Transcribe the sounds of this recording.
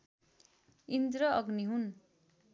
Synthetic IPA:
ind̪ɾʌʌɡniɦun

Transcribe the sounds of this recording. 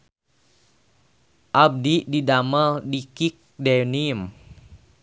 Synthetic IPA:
ʔab̚diʔdidaməldikik̚denim

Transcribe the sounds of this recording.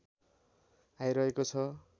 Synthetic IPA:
ajɾʌekot͡sʰʌ

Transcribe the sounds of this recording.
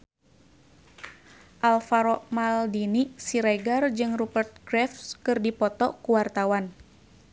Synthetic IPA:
ʔalfaɾɔʔmaldinisiɾajɡard͡ʒɨŋrubərt̪̚ɡɾɛfskɨrdipɔt̪ɔkuwart̪awan

